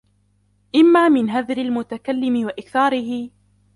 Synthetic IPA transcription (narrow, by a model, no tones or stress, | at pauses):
ʔɪmːaːmɪnɦaðɾɪlmʊt̪akalːɪmɪwaʔɪkθaːɾɪɦɪ